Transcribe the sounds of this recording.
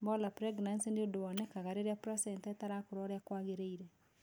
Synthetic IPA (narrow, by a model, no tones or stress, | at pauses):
mbɔlapɾɛɡnansindeodoɔnɛkaɣaɾeɾeapɾɔsɛntɛtaɾakoɾɔɾeakwaɣeɾeiɾɛ